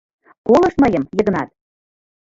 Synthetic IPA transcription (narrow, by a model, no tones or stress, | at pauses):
kolˠɤ̆ʃmɤjəmjɤ̆ɣɤ̆nɑt̪̚